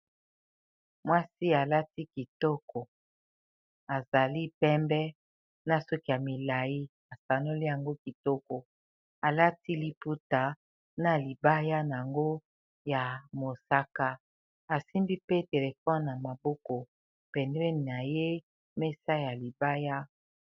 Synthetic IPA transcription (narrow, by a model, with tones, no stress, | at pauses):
mwa˦si˦a˨la˦ti˦ki˨tɔ˦kɔ˨ | a˨za˨li˦pɛ˦mbɛ˦ | na˨sɔ˦ki˦ja˨mi˨la˨ji˦ | a˨sa˨no˦li˦ja˨ŋɡo˦ki˨tɔ˦kɔ˨ | a˨la˦ti˦li˦pu˦ta˨ | na˨li˨ba˦ja˦na˨a˨ŋɡo˦ | ja˨mo˨sa˦ka˦ | a˨si˦mbi˦pe˦te˨le˨fɔ˦nna˨ma˨bɔ˦kɔ˨ | pɛ˨ndɛ˦ni˨na˨je˦ | me˦sa˦ja˨li˨ba˦ja˦